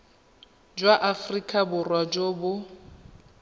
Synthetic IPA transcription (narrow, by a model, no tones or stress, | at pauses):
d͡ʒwaʔafrikʼabʊrwad͡ʒobʊ